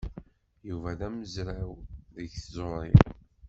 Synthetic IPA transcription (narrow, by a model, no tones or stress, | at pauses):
juvæðæməzɾæwðəçθzˤoɾˤɪ̰